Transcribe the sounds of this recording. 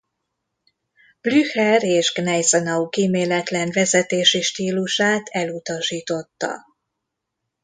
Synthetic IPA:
b̥lyhɛɾeːʒɡnɛjzɛnɒukiːmeːlɛt̪lɛnvɛzɛt̪eːʃiʃt̪iːluʃaːt̪ɛlut̪ɒʃiːt̪o̞t̪ːɒ̰

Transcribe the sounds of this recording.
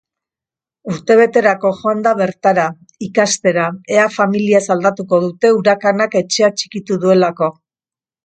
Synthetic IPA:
uɾt̪e̞β̞e̞t̪e̞ɾako̞ʝo̞and̪aβe̞ɾt̪aɾa | ikast̪e̞ɾae̞afamiliasald̪at̪uko̞ð̞ut̪e̞uɾakanake̞t͡ʃe̞at͡ʃi̥kit̪uðue̞lako̞

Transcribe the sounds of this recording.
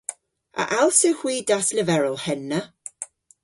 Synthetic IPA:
ə̰ʔalˠsəhwiːdasləvɛɹəlˠhɛnːə

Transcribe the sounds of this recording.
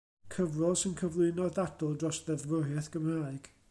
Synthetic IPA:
kʰəvrɔlˠsɪnkʰəvlˠɨnɔðadɔlˠdrɔsðɛvəɦɛθɡ̥əmraːɨɡ̥

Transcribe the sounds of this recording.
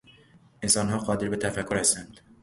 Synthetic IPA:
ʔensɒːnɦɒːɢɒːd̪e̞ɾbe̞t̪ʰæfækʰːoɾhæst̪ænd̪̥

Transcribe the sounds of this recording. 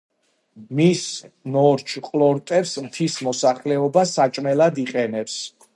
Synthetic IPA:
misnɔɾt͡ʃʰqʼlˠɔɾt̪ʼɛpsmt̪ʰismɔsaχlɛɔbasːat͡ʃʼmɛlad̪iqʼɛnɛps

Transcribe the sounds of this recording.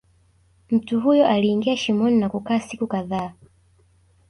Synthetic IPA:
m̩tuɦujɔʔaliːŋɡiaʃimɔninakukaːsikukaðaː

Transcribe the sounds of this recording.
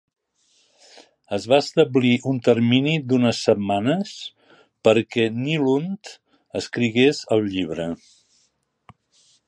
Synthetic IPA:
əzβaəst̪əbliʔunt̪əɾminid̪unəsːəbmanəs | pəɾkɛnilunt̪ | əskɾiɣezəlˠʎiβɾə

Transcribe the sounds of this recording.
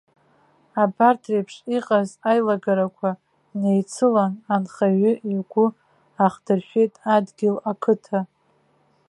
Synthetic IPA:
abartʰrejpʰʂiqʼazajlaɡaɾakʷʰa | nejt͡sʰɨlananχaɥʏʔiɡʷʊ | aχdɨrʃᶣejtʼadɡʲɪlakʰɨtʰa

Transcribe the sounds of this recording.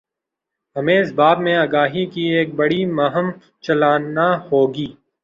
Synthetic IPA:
ɦɐmẽːɪsbaːbmẽaːɡaːɦikieːk̚bɐɽimɐɦəm | t͡ʃɐlaːnahoːɡiː

